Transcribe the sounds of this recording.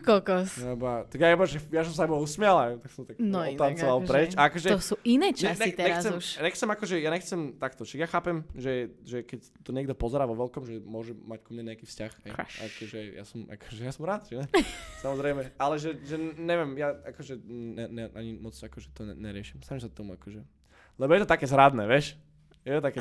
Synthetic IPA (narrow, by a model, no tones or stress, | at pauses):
kɔlkɔsabat̪aɡjaɛbaʒɛjas̬ɔms̬ajbausmɪalat̪aksɔ̃mt̪aknɔɔant͡sɔʋalˠpɛt͡ʃaakɔʒɛɔsuinɛːt͡ʃɛxnɛt̪ɛɲɛɾxasɛuʃaɲɛxt͡sɛmakɔʒɛjaɲɛxt͡sɛmt̪akt̪ɔʃaɡjaxaːpɛmʒɛʒɛkɛc | t̪ɔɲɪɛɡ̚d̪ɔpɔzɛɾaːʋɔʋɛlkɔmʒɛmʊɔʒɛmackumɲɛɲɛakiːfscaxɦɛjja̰kɔʒɛja̰sɔma̰kɔ̥ʒɛjasɔmɾaːt̪ʒɛnɛsamɔzɾɛɪmɛalɛʒɛʒɛɲɛʋjɛmjaakɔʒɛɛnɛʔaɲimɔt͡sakɔʒɛt̪ɔɛnɛɾɪɛʃimsamims̬at̪ɔmuakɔʒɛ | lɛbɔjɛt̪ɔt̪akɛːzɾad̪nɛːʋɛʃ | jɛt̪ɔt̪akɛ